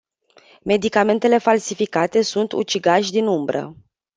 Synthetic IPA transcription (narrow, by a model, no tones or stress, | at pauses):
me̞d̪ikame̞nt̪e̞le̞falsifikat̪e̞sunt̪ṵt͡ʃiɡaʃʲd̪inumbɾə̰